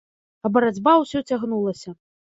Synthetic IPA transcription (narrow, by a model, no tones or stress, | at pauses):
ɐbɐɾad͡zʲbawsʲɔt͡sʲaɣnulˠɐsʲɐ